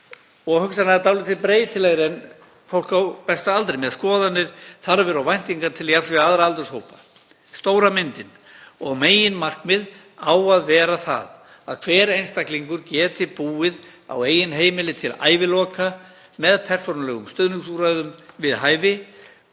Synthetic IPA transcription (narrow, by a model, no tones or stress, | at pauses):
ɔɣhʏksanat̪awlɪt̪ʰɪlpɾeːjɪt̪ʰɪlɛɣɾɪɛn | fowl̥kawpɛst̪aalt̪ɾɪjmɛðskɔːðanːɪɾ̥θaɾavɛɾawvajn̥t̪iŋkaɾt̪ʰɪljasvɛaðɾaalt̪ʏɾshowpa | st̪owɾamɪnt̪ɪn | ɔɣmeːjɪnmar̥kmɪð | aːwaðvɛːɾaθa̰ð | a̰ðkʰv̥ɛːɾejnst̪akliŋkʏɾcɛːt̪ɪpuːɪð | a̰weːjɪnɦeːjmɪlɪt̪ʰɪla̰ːjvɪlɔːka | mɛðpʰɛr̥sownlɛɣʏmst̪œðnʏŋsuɾajðʏmvɪðɦaːjvɪ